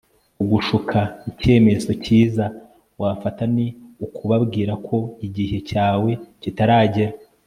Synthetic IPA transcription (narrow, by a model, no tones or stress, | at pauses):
uɡuʃukʰaice̞ːme̞zo̞ciːza | wafataniukuβabɡiːɾakʰo̞iɟihe̞caːwe̞citaɾaːɟeɾa